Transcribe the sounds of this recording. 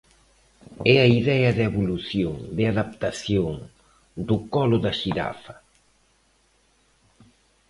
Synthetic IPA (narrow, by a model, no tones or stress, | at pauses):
ɛɐiðɛɐðeβuluθjoŋd̪ɪaðapt̪aθjoŋ | d̪ʊkɔlʊðɐʃiɾa̰fɐ̥